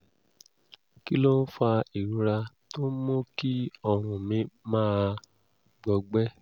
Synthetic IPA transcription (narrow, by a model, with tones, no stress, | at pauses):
ki˦lo˦n̩˦fa˧i˨ɾu˨˧˦ɾa˧to˦n̩˦mo˦ki˦ɔ˧ɾ̃ũ˨mĩ˧˦mãː˦˧ | ɡ͡bɔ˧ɡ͡bɛ˦